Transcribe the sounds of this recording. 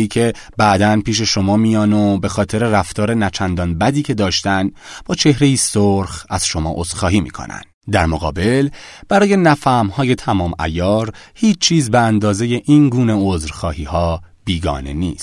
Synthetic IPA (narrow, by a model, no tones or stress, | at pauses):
iːcʰe̞ | bæʔd̪ænpiːʃ̬e̞ʃo̞mɒːmijɒːnobe̞xɒːt̪ʰe̞ɾe̞ræft̪ʰɒːɾe̞næt͡ʃʰænd̪ɒːnbæd̪iːcʰe̞d̪ɒːʃt̪ænb̥ɒːt͡ʃʰe̞hɾe̞jiːsoɾxæz̥ʃo̞mɒ̰ːʔozxɒːɦiːmḭːkʰo̰næ̰nd̪d̪æɾmoɣɒ̰ːbe̞lb̥æɾɒːje̞næfæmhɒːje̞t̪ʰæmɒːmæ̰jɒːɾhiːt͡ʃt͡ʃʰːiːzbeænd̪ɒːze̞je̞ʔiːnɡuːne̞ozɾxɒːhiːhɒː | b̥iːɡɒ̰ːne̞̰nḭːst̪